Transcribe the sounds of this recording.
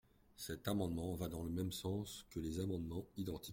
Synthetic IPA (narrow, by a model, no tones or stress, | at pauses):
sɛt̪amɑ̃d̪mɑ̃vad̪ɑ̃ləmɛmsɑ̃skəlezamɑ̃d̪mɑ̃id̪ɑ̃t̪i